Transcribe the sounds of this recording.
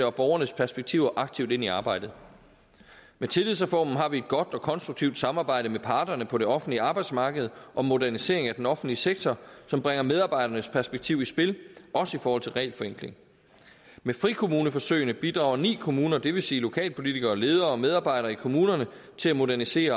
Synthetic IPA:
əɒ̽b̥ɒʊɐnəspʰæɐsb̥eɡ̥̚t͡sʰiʊ̰ʔɑ̈ɡ̥̚t͡sʰiʊd̥e̝niɑ̈ːb̥ɑ̈ɪ̰d̥ð̩ˠ | met͡sʰe̝lið̰ˠsʁɛfɒ̰ːmn̩ɦɑ̈ʋie̝d̥̚ɡ̥ɒ̽d̥ɒ̽kʰɒ̽nsd̥ʁuɡ̥̚t͡sʰiʊd̥sɑ̈mɑ̈ːb̥ɑ̈ɪ̰d̥əmepʰɑ̈ːd̥ɐnəpʰɒ̽ɾe̝ɒ̽fn̩dliɑ̈ːb̥ɑ̈ɪd̥smɑ̈ːɡ̥əð̞̩ˠʔɒ̽mːo̝dæɐnise̝̰ɐ̰e̝ŋæd̥enɒ̽fn̩dliseɡ̥̚t͡sʰɒsɒ̽mb̥ʁaŋɐmeð̞ˠɑ̈ːb̥ɑ̈ɪ̰ɾɐnəspʰæɐsb̥eɡ̥̚t͡sʰiʊ̰isb̥e̝lʔɒ̽səifɒːhɒ̽l̰t͡sʰe̝lʁɛ̰ːlfɒeŋɡ̥le̝ŋ | mefʁikʰo̝muːnəfɒ̽søɪnəb̥id̥ʁɑ̈ʊɐnḭːkʰo̝muːnɐd̥e̝ʋe̝siːlo̝kʰɛ̰ːlpʰo̝lit͡sʰiɡ̥ɐːle̝ːð̞ˠɐɒ̽með̞ˠɑ̈ːbɑ̈ɪ̰ɾ̥ɐːikʰo̝muːnɐnə | t͡sʰe̝læmo̝dæɐnise̝̰ːɐ

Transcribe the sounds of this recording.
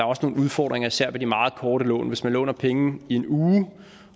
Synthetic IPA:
ɑ̈ɐɒ̽səno̝ːn̩uð̞ˠfɒ̰ːd̥ʁeŋɐisæɐ̰ʋed̥imɑ̈ːð̞̩ˠkʰɒːɾəlɔ̰̽ːnʋe̝smænlɔ̰ːnɐpʰeŋn̩ie̝nuː

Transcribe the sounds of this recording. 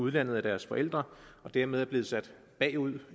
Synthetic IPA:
uð̞ˠlæn̰ð̩ˠæd̥æɐsfɒ̽ʔel̰d̥ʁɐɒ̽d̥æɐ̰með̞ˠæɐb̥le̝ːð̩ˠsæd̥ | b̥ɛ̰ːuð̰ˠ

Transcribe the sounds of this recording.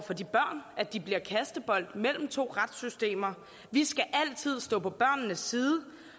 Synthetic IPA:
fɒ̽dib̥ɶɐ̰nʔæd̥ib̥liɐkʰæsd̥əb̥ɒ̽l̰d̥mel̰m̩t͡sʰo̝̰ːʁad̥sysd̥e̝̰ːmɐ | ʋisɡ̥æʔæl̰t͡sʰið̞̰ˠsd̥ɔ̰̽ːpʰɒ̽b̥ɶɐ̰nnəsːiːð̞ˠə

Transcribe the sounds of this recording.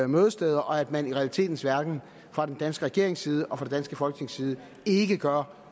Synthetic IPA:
møːð̞ˠəsd̥eːðˠɐʔɒ̽æd̥mæniʁɛælit͡sʰe̝̰ːd̥n̩sʋæɐɡ̥n̩ | fʁɑ̈d̥end̥ænsɡ̥əʁɛɡ̥e̝ɐe̝ŋsiːð̞ˠəʔɒfʁɑded̥ænsɡ̥əfɒ̽lɡ̥ə̥nʰe̝ŋsiːð̞ˠə | e̝ɡ̥əɡ̥ɶɐ

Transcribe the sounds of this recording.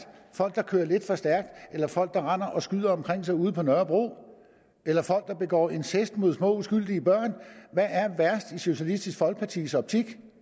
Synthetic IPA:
fɒ̽l̰ɡ̥̚d̥ɑ̈kʰø̰ːɐle̝d̥fɒ̽sd̥æɐɡ̥̚d̥elɐfɒ̽l̰ɡ̥̚d̥ɑ̈ʁɑn̰ɐʔɒ̽sɡ̥yð̰ˠɐɒ̽mkʰʁeŋ̰sɑ̈ɪuːð̞ˠpʰɒ̽nœːɐb̥ʁo̝̰ː | elɐfɒ̽l̰ɡ̥̚d̥ɑ̈b̥e̝ɡ̥ɒ̰ːe̝nsʰesd̥mo̝ð̞ˠsmɔ̰̽ːusɡ̥yl̰d̥iəb̥ɶɐ̰nʋæʔæɐʋæɐsd̥iɕo̝ɕiælisd̥isɡ̥fɒ̽lɡ̥̚pʰɑt͡sʰḭːsɒ̽b̥̚t͡sʰiɡ̥

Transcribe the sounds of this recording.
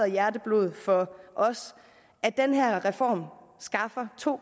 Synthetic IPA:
ɐjæɐdəb̥lo̝ð̞̩ˠfɒ̽ʔɒ̽s | ʔæd̥enɦæɐ̰ʁɛfɒ̰ːmsɡ̥ɑ̈fɐt͡sʰo̝̰ː

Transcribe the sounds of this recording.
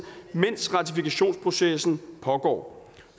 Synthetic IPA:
men̰sʁɑ̈t͡sʰifikʰæɕo̝̰ːnspʰʁo̝sesn̩pʰɒ̽ɡ̥ɒ̰ː

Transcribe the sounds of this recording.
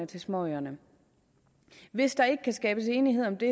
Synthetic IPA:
ət͡sʰe̝lsmɒɐnə | ʋe̝sd̥ɑ̈e̝ɡ̥əkʰæsɡ̥ɛːb̥əse̝ːniɦe̝ð̞̰ˠɒ̽md̥e̝

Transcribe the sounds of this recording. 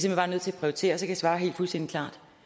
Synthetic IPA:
semelbɑ̈nøðˠt͡sʰe̝æpʰʁiot͡sʰe̝̰ːɐsɒ̽kʰæjisʋɑ̈ːɦe̝̰ːld̥fulsden̰d̥ikʰlɑ̰̈ːd̥

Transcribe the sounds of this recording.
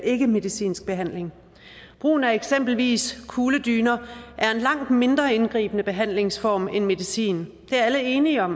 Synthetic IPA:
e̝ɡ̥əme̝ðˠisḭːnsɡ̥̚b̥e̝ɦæn̰le̝ŋ | b̥ʁṵːn̩æɐeɡ̥sem̰b̥l̩ʋḭːskʰuːləd̥yːnɐʔæɐe̝nlɑ̈ŋ̰d̥me̝nd̥ʁɐe̝nɡ̥ʁḭːb̥ənəb̥e̝ɦæn̰le̝ŋsfɒːmenme̝ðˠisḭːn | d̥e̝æɐæləe̝ːniɒ̽m

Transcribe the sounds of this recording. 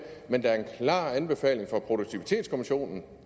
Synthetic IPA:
mend̥ɑ̈æɐe̝nkʰlɑ̰̈ːænb̥e̝fɛ̰ːle̝ŋfɒ̽pʰʁo̝d̥oɡ̥̚t͡sʰiʋit͡sʰe̝̰ːd̥skʰo̝miɕo̝̰ːnn̩

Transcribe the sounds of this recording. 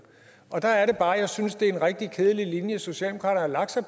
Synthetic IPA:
ʔɒ̽d̥ɑ̈æɐɾe̝b̥ɑ̈ːjɑ̈ɪsynsd̥e̝e̝nʁɛɡ̥̚d̥ikʰeːð̞ˠəlilinjəso̝ɕiɛ̰ldemo̝kʰɑ̰ːɾɐn̩ɐlɑ̈ɡ̥̚sɑpʰ

